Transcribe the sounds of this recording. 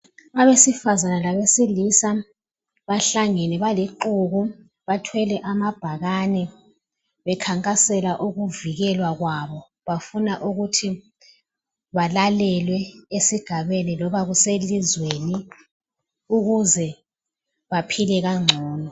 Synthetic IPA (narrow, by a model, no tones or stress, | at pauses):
aβesifazanalaβesilisa | βaɬaŋɛnɛβaliǃuɣu | βatʰwɛlɛʔamab̥ʱaɣanɛ | βɛkʰaŋkʼasɛlaʔuɣuviɣɛlwaɣwaβɔ | βafunaʔuɣutʰi | βalalɛlwɛesiɡ̥ʱaβenilɔβaɣuselizweni | uɣuzɛ | βapʰilɛɣaŋ͡ǀʱɔːnɔ